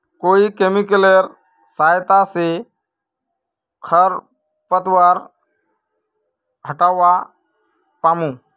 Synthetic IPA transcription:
koikemikəleɾ | sajt̪ase | kʰəɾ | pət̪ʋaɾ | ɦəʈaʋa | pamũ

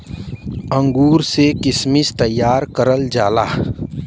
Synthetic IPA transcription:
ə̃ŋɡuːɾsekɪsmɪst̪əjːaːɾkəɾəld͡ʒaːlaː

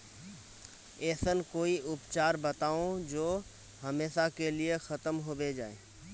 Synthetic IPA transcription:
ɛːsənkoːiʔʊpt͡ʃaːɾbɐt̪aːõd͡ʒoː | ɦɐmeːʃakeliexɐt̪əmɦobed͡ʒaːḛː

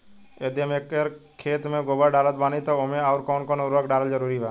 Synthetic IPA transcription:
ed̪imekəɾkʰeːt̪mẽɡoːbəɖaːlət̪̚baːnit̪oomẽaʋɾkoːnkoːnəɾəkɖaːləld͡ʒəɾuːɾiʋaː

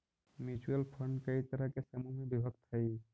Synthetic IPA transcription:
mit͡ʃuəlpʰəɳɖkəit̪əɾakesəmumebibʱək̚t̪ʰəj

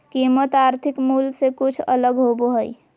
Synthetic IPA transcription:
kimət̪aɾt̪ʰikmulsekut͡ʃʰə̰ləɡɦoboɦəj

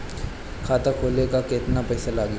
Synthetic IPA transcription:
kʰaːt̪akʰoːlekaket̪napɛːsalaːɡja

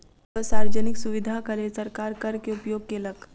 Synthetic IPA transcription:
t̪ɔsaɾd͡ʒənɪksuʋid̪ʱakəɾesəɾkaɾkəɾkeupjoːɡ̚keləɡ

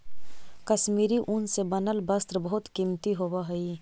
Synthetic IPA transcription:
kəʃmiːɾiʔʊnsebɐnəlbɐst̪ɾbəɦʊt̪kimt̪iɦoːwaɦɐiː

